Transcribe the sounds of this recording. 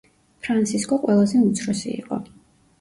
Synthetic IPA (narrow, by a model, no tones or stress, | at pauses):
pʰɾant̪sʰiskʼɔqʼwɛlˠazɛut̪sʰɾɔsḭḭqʼɔ̰